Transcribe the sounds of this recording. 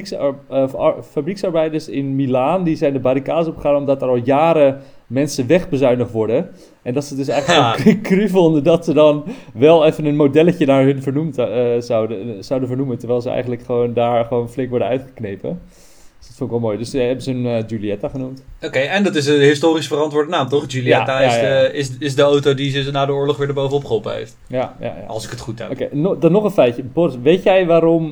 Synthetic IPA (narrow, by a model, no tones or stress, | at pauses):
fabriksɑɹbɛjdəɹsɪnmilaːndizɛjndəbaːɾikaːdəsɔpχəχaːnɔmdɑtɛɹɑlˠjaːɾə | mɛnsəʋɛχbəzœɥnəχtʋɔɹdən | ʔɛndɑtsədɵs̬ɛjχləkokryvɔndədɑtsədɑnʋɛlˠɛfənənmodɛləcənaːɹɦɵnvəɹnumtzwəz̥ɑwdənvəɹnuməntəɹʋɛɪjlˠzəɛ̰jχəntləkχəʋowndaːɹχəʋoːnflɪŋkʋɔɹdəœɥtχəknejpə̰ | sd̥ɔtfõnɪkʋɛlˠmoːjdøsəɦɛbənzəənd͡ʒyliɛtaχənumtokejɛndɑtɪsənɦɪstoːrisfərɑntʋʊːɹdənaːmtɔχd͡ʒyliɛtajasɪsɪsdəowtowdizəsnaːdəʊːɹlɔχʋɪːɹdəɹbowvənɔpχəopə̰ḛjft | jaja̰ja̰lˠsɪ̥kətχutɛ̰okendɔnːɔχənfɛjtjəbɔrʋejtjɛjʋaːɾɔm